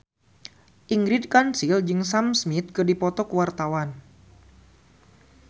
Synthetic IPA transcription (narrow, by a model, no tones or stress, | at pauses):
ʔiŋɡɾid̚kansild͡ʒɨŋsamsmit̪̚kɨrdipɔt̪ɔkəwart̪awan